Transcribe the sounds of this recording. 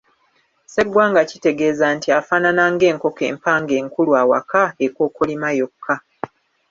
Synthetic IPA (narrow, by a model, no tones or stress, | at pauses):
se̞ɡwaːŋɡacite̞ɡe̞ːzantiafaːnanaːŋɡe̞ːŋko̞ke̞̰ːmpaːŋɡe̞ːŋkulwaːwa̰kaeko̞ːkolimajo̞kʰːa